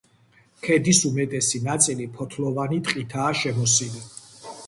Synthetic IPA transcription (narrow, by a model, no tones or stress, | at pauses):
kʰɛd̪isumɛt̪ʼɛsinat̪sʼilipʰɔt̪ʰlɔvanit̪ʼqʼit̪ʰaːʃɛmɔsili